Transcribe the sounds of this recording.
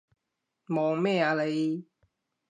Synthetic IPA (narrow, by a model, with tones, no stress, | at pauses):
mɔ˨ŋmɛ˥˧˨a˧le˨˦j